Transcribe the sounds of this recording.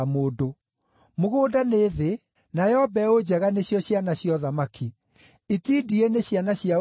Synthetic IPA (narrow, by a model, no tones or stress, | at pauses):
moːdo | moɣoːdaneːðe | naɛɔbɛod͡ʑɛɣaneɕjɔɕjanaɕiɔðamakʰi | itiːdieneɕjanaɕja